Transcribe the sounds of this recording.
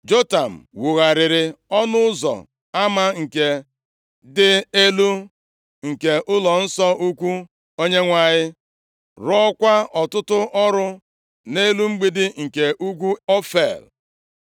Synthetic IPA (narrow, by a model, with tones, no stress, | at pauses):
d͡ʒo˦ta˨m̩˨wʊ˨ɣa˨ɾɪ˨ɾɪ˨ɔ˦nʊ˦ʊ˦zɔ̰˨ | a˦ma˦ŋ̩˨ke˨ | dɪ˦e˦lu˦ | ŋ̩˨ke˨ʔʊ˦lɔ˨n̩˦sɔ˦u˦kʷu˦ | o˦ɲe˦ŋʷa˨ɲɪ˦ | ɾɔ˦kʷa˦ɔ˨tʊ˦tʊ˦ʔɔ˦ɾʊ˦ | ne˦lu˦ŋ͡m̩˦ɡ͡bi˦dɪ˦ŋ̩˨ke˨ʔu˦k̬ʷu˦ɔ˦fḛ˨l